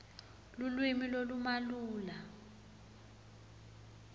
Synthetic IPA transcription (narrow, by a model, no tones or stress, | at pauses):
lulwimilolumaluːla